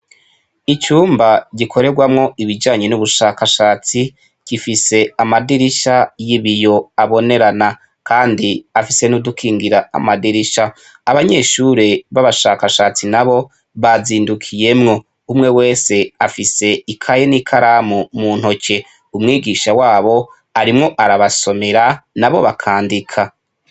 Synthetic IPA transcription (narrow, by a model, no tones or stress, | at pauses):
it͡ʃuːmbaɟikʰo̞ɾe̞ɡwamŋo̞ʔiβid͡ʒaːɲe̞nuβuʃaːkaʃaːt͡si | ɡ̥ifise̞amadiɾiʃajiβijo̞aβo̞ne̞ɾana | kaːndiafise̞nudukʰiːŋɡiɾaa̰madiɾiʃaː | βaɲe̞ːʃuɾe̞βaβaʃaːkaʃat͡sinaβo̞ | βaziːndukʰije̞mŋo̞ | umŋe̞we̞ːse̞afise̞ikʰajenikʰaɾaːmumuːn̥ho̞ce̞ | umŋiːɡiʃawaːβo̞ | aɾimŋo̞ʔaɾaβaso̞me̞ɾanaβo̞̰βakʰaːndikʰa